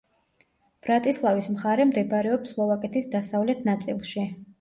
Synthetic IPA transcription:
b̥ɾat̪ʼislˠavismχaɾɛmd̪ɛbɾɛɔpslˠɔvakʼɛt̪ʰisd̪asavlɛt̪ʰnat̪sʼilˠʃi

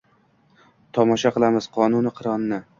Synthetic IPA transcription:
t̪ʰɒmɒʃaqɨlˠamɪz̥qʰɒnʊnɪqʰɨɾɒnɪna

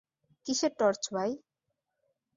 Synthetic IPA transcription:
kiʃeʈɔɾt͡ɕbʱaj

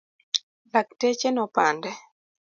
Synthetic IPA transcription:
lak̚tet͡ʃenɔpandɛ

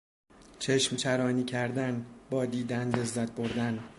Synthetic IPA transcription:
t͡ʃʰeʃmt͡ʃʰæɾɒːniːcʰæɾd̪ænbɒːd̪iːd̪ænd̪e̞zːæt̪̚ʰboɾd̪æn

